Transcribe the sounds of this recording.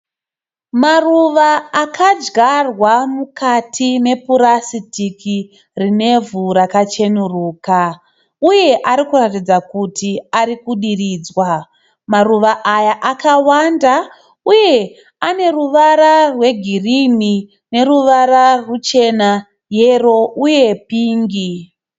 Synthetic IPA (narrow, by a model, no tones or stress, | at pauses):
maruʋaːkʰad͡ʒɡarwamukatʰine̞puɾasitikʰi | rine̞vuɾakat͡ʃe̞nuruːka | uje̞ʔaɾikuratid͡zakutʰiaɾikuɗiriːd͡zwa | maruʋaʔajaʔakawanda | uje̞ | ane̞ruʋaɾarwe̞ɡʱirini | ne̞ɾuʋaɾarut͡ʃe̞na | je̞ro̞ʔuje̞piːŋɡi